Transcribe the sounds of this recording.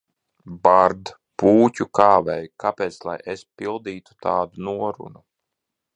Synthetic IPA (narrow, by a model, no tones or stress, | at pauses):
baɾd̪ | puːcʲukaːvɛjkʰapeːt̪slˠa̰jʔespilˠd̪iːt̪u̥t̪aːd̪unuɔɾṵnu